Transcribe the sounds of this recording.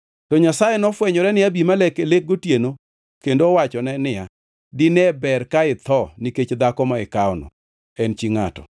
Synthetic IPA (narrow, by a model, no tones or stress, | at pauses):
tɔɲasajenɔfwɛɲɔɾɛnɪabimalɛkelek̚ɡotjeno | kendoːwat͡ʃɔnɛnɪja | dɪnɛbɛrkaɪt̪ʰɔniket͡ʃd̪akɔmaɪkaɔnɔ̰ | ɛnt͡ʃiŋatɔ̰